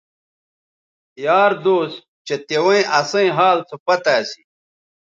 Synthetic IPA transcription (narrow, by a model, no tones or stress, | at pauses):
jaːɾd̪oːs | t͡ɕet̪ewɐ̃ĩʔɐsɐ̃ĩɦaːlt͡sʰopɐt̪aːsi̥